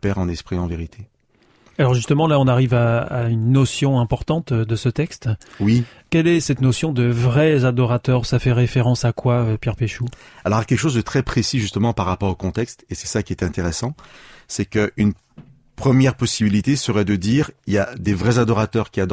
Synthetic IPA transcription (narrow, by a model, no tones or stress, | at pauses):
pɛʁɑ̃nɛspχiɑ̃veʁit̪ʰe | alɔʁʒyst̪əmɑ̃laɔ̃naʁivaːynːɔsjɔ̃ɛ̃pɔʁt̪ɑ̃t̪d̪əsət̪ɛkst̪wi | kʲɛlɛsɛt̪nosjɔ̃d̪əvʁɛzad̪ɔʁat̪œʁsafɛʁefeʁɑ̃sakwaøpjɛʁpeʃualɔʁakʲɛlkə̥ʃozd̪ət̪χɛpχesiʒyst̪əmɑ̃paʁːapɔʁokɔ̃t̪ɛkst̪esɛ̥sakʲiɛt̪ɛ̃t̪eʁesɑ̃sɛkəʔyn | pχəmjɛʁpɔsibilit̪esəʁɛd̪əd̪iːʁiljad̪evʁɛzad̪ɔʁat̪œʁkʲiad̪